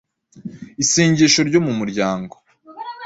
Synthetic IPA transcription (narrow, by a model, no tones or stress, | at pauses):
iseːɲɟeʃo̞ɾɟo̞mumuɾɟaːŋɡo